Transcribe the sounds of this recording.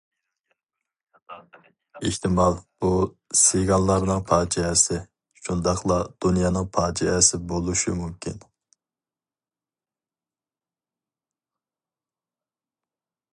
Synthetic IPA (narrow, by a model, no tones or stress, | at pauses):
iht̪ʰɪmɑlˠb̥u | sɪɡɑlˠːɑɾnɨŋpʰɑːd͡ʒɛɛsɪ | ʃund̪ɑχlˠɑd̪̥unjɑːnɨŋpʰɑːd͡ʒɛɛsɪbolˠuʃṵmumkʲʰḭn